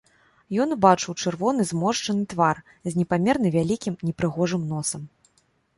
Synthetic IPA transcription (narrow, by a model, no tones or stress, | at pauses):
jɔnbat͡ʂɨwt͡ʂɨrvɔnɨzmɔʂt͡ʂɐnɨt̪var | zʲnʲɛpamʲɛrnɨvʲalʲikʲimnʲɛpɾɨɣɔʐɨmnɔsɐm